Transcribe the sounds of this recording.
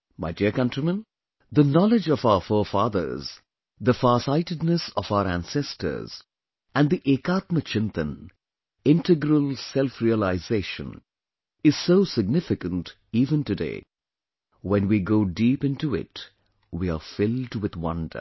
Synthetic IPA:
maɪdiəkʌ̃ntɹimə̃n | ðənɔlɪd͡ʒɔvaʊəfɔfɑːðə̰˞z | ðəfasaɪtɨdnəsɔvaʊəɾæ̰̃nsɛstʰə̰˞z̥ | æ̃nd̪iʔekat̪mət͡ʃʰɪ̃nt̪ə̰̃n | ɪ̃ntɨɡɾəlˠsɛlfɹiəlaɪzeɪʃə̰̃n | ɪz̥soʊsɪɡ̚nɪfɪkə̃nt | iːvə̃ntɨdḛɪ | wɛ̃nwiɡoʊdipɪ̃ntuɪ̰t | wiafɪlˠdwɪðwʌ̰̃ndə̰˞

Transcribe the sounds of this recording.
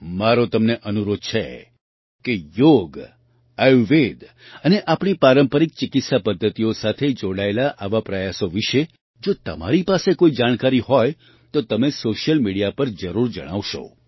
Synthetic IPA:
maɾot̪əmneʔənuɾod̪̚t͡ʃʰḛ | kejoɡ | əjʋed̪ | əneʔapɳ̃ipaɾəmpəɾik̚t͡ʃɪkɪt̪sapəd̪ʱːət̪ijosat̪ʰed͡ʒoɽaelaʔaʋapɾəjasoʋiʃe | d͡ʒot̪əma̰ɾipasekoid͡ʒaɽ̃kaɾiɦoj | t̪ot̪əmesoʃjəlmiɽijapəɾd͡ʒəɾuɾd͡ʒəɽ̃a̰ʋʃo̰

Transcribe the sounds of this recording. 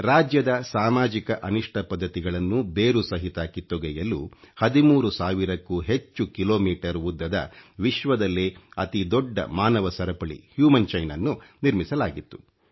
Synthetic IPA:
ɾaːd͡ʒjɐd̪ɐsaːmaːd͡ʒikɐʔɐniʂʈʰɐpɐd̪ʱːɐt̪iɡɐɭɐnːubeːɾusɐɦit̪aːkit̪ːɔɡɛjɐlṵhɐd̪imuːɾusaːʋiɾɐkːuːɦe̞t͡ʃːukiloːmiːʈɐɾʋud̪ːɐd̪ɐ̰ʋiʃʋɐd̪ɐlːeɐt̪id̪ɔɖːɐ̰maːnɐʋɐsɐɾɐpɐɭḭhjuːmɐnt͡ʃɐjnɐnːuniɾmisɐlaːɡit̪ːu̥

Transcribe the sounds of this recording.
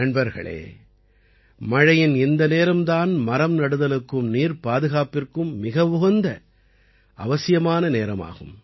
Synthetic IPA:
ɐɳbɐɾɣɐ̰ɭḛː | mɐɻɐjɪnɪnd̪ɐneːɾɐmt̪aːnmɐɾɐmnɐɽɯðɐlɯkːɯmniːɾpaːðɯɣaːpɪrkɯmːɪɣɐʋʊɣɐnd̪ɐ | ɐʋɐsɪjɐmaːnɐneːɾɐma̰ːɣɯ̰m

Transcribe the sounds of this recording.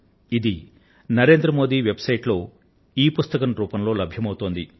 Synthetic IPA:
id̪i | nɐɾe̞ːnd̪ɾɐmo̞ːd̪iːʋe̞bsɐjʈlo̞ː | iːpust̪ɐkɐnɾuːpɐmlo̞ːlɐbʱjɐmɐwut̪oːnd̪i

